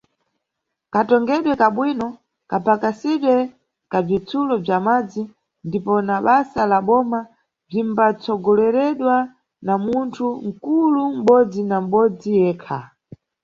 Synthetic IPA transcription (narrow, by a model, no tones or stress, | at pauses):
katɔŋɡɛɗwɛkaɓwinɔ | kapakasiɗwɛ | kab͡ʐit͡sʰulɔb͡ʐamad͡zi | ndipɔnaɓasalaɓɔma | b͡ʐimbat͡sɔɡɔlɛɾɛɗwa | namuntʰuŋ̩kulum̩ɓɔd͡zinam̩ɓɔd͡zijɛːkʰa̰